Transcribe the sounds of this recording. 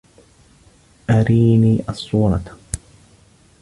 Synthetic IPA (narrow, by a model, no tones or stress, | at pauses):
ʔaɾiːniːʔɑsˤːuːɾˤɑ